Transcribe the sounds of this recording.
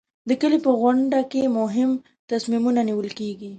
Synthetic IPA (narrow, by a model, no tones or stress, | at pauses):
d̪əkəlipəɣwʊɳɖakemʊɦɪm | t̪asmimunaniwəlkeɡi